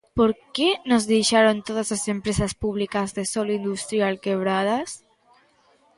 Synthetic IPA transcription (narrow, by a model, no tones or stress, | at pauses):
poɾkenozðejʃaɾont̪oðasasempɾesaspuβ̞likazðesolind̪ust̪ɾjalkeβ̞ɾað̞as